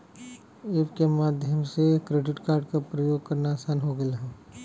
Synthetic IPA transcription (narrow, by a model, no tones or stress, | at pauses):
eʋkemaːd̪ʱjəmsekɾeːɖɪʈkaːɾɖkapɾɐjoːɡ̚kɐɾnasaːnɦoɡɐjaɦɛː